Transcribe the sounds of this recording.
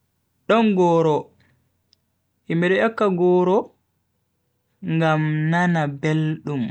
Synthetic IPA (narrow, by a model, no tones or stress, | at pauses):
ɗɔnɡɔːɾɔ | ʔimɛɗɛjɔkːaɡɔːɾɔ | ŋɡamnanabelɗum